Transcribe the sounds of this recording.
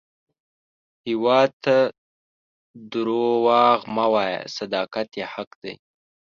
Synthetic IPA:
hɪwɑːd̪̚t̪ʰa | d̪uɾowɑɣmawɑja̰sad̪ɑːkat̪jehakd̪a̰j

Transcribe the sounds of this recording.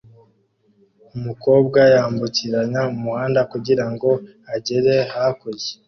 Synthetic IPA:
umuko̞ːb̚ɡajaːmbuciɾaɲaumuhaːndakuɟiɾaŋɡo̞ | aɟeɾe̞hakoze̥

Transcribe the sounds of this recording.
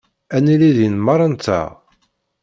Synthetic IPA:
æniliðinmɑɾˤɑnt̪ːæ̰

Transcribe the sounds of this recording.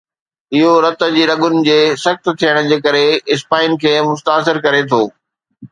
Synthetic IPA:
ɪɦoɾɐt̪ə̆d͡ʑiːɾɐɠʊnɪ̆d͡ʑeːsɐxt̪t̪ʰijəɽ̃d͡ʑeːkɐɾeɪspaːɪnkʰeːmʊst̪aːs̬ɪɾkɐɾet̪ʰoː

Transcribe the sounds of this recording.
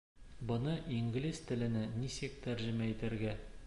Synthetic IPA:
bɤ̆nɤʔiŋɡlʲist̪ɘ̆lɘ̆nɘnisɘk̚t̪æɾʑɘ̆mæit̪æɾɡæ

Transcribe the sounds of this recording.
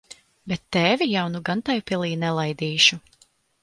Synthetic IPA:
bɛt̪ːɛvijawnuɡant̪ajupʲilˠiːnɛlˠajd̪iːʃu

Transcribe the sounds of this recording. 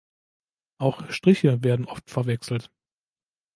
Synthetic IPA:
ʔaʊxʃtʁ̥ɪçəveːɐdn̩ʔɔftfɛɐvɛksl̩t

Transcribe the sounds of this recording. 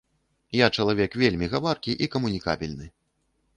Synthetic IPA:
jat͡ʂɐlˠavʲɛkvʲelʲmʲiɣavarkʲiʔikɐmunʲika̰bʲilʲnɨ

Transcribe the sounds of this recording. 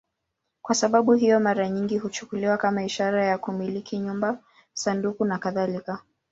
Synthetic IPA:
kwasaɓaɓuɦijɔmaɾaɲiŋɡiɦut͡ʃu̥kuliwakamaiʃaɾajakumilikiɲumba | sandukunakaðalika

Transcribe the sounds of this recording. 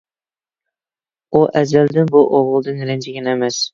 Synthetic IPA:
uʔæzæld̪ɪnbʊʔoʁʊlˠd̪ɪnɾɪnd͡ʒɪɡʲɛnemæs

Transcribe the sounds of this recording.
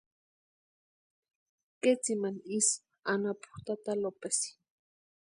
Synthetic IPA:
ket͡simanis | anapu̥ht̪at̪alopesi̥

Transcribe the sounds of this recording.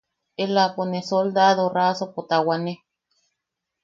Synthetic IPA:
elaponesold̪aðorasopot̪awane

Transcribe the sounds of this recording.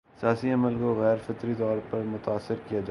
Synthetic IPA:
sɪjaːsiɐməlkoɣɛːɾfɪt̪ɾit̪ɔːɾpɐɾmʊt̪aːsːɪɾkijad͡ʒa

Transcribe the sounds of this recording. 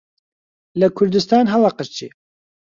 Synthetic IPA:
lɐkʰʊɾd̪ɨst̪aːnɦɑlˠɑqəʃt͡ʃʰḭ

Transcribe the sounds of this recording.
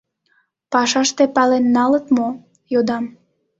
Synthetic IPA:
pɑʃɑʃt̪epɑlenːɑlət̪mo | jod̪ɑm

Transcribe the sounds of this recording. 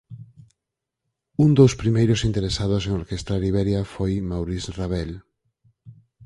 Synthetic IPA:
und̪owspɾimejɾosint̪eɾesað̞oseŋoɾkest̪ɾaɾiβɛɾjafojmawɾisraβ̞ɛl

